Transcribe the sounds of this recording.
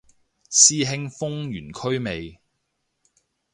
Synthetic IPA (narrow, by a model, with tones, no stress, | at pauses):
siː˥ɦɪ˧ŋfʊ˥ŋjyː˨˩nkʰɵ˥ɥme˨j